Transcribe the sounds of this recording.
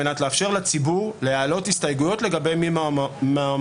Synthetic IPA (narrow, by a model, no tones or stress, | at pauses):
enatleafʃeʁlat͡sibuʁlejaːlo̞thistajɡujo̞tle̞ɡabe̞jmima